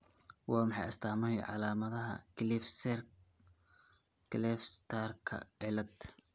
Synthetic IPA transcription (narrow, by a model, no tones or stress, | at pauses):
wɑːmɑħɑ̰jɐst̪ʰaːmɐjʕɑ̰laːmɐðɐɦɐ̰klifsɛr | kʰlɛfst̪ʰarkʰɐ̰ɪlɐd̪